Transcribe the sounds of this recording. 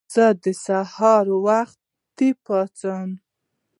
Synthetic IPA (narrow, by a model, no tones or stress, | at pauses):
z̥əd̪əsahɑɾwaxt̪ːipɑt͡sən